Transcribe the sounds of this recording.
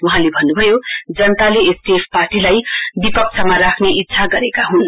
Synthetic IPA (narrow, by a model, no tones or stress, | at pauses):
wuɦãlebʱʌnːubʱʌjod͡zʌnʌt̪aleesʈiepʰparʈilajbipʌk̚t͡sʰʌmarakʰneʔit̪ːsʰaɡʌɾekaɦun